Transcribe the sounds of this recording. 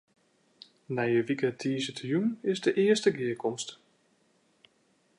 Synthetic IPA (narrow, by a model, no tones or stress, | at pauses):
nɛjəʋikətʰiːzətjunɪzdəʔɪəstəɡɪəkʰɔmst